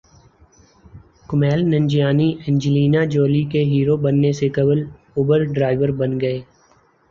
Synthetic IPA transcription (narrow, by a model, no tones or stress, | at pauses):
kʊmɛːlnə̃ɲd͡ʒijaːniɪ̃nd͡ʒɪliːnad͡ʒoːlikeɦiːɾobɐnːesekɐbəl | ʊbəɾɖɾaːɪʋəɾbɐnɡɐeː